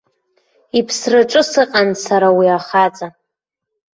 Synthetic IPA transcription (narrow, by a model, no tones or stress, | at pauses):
ipʰsrɨʈ͡ʂʼɨsɨqʼansaɾawiaχat͡sʼa